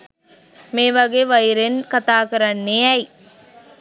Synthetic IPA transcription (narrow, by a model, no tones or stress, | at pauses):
meːʋɐɡeʋɐjiɾenkat̪aːkəɾɐnːeɛji